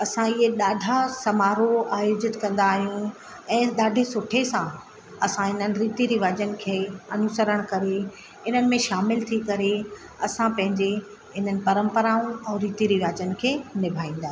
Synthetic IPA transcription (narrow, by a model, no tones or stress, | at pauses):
ɐsãiɦeɗaːɖʱasɐmaːɾoaːjoːd͡ʑɪt̪kɐ̃nd̪aːɦijũ | ɛ̃ːɗaːɖʱesʊʈʰesã | ɐsãɦɪn̤ənɪ̆ɾiːt̪iɾiʋaːd͡ʑənɪ̆kʰeːɐnʊsəɾəɽ̃kɐɾe | ɪn̤ənɪ̆mẽʃaːmɪlt̪ʰikɐɾe | ɐsãpɐ̃ɦɪ̃ɲd͡ʑe | ɪn̤ənɪ̆pɐɾə̃mpəɾaːũɛ̃ːɾiːt̪iɾiʋaːd͡ʑənɪ̆kʰeːnɪbʱaːĩːnd̪aːɦ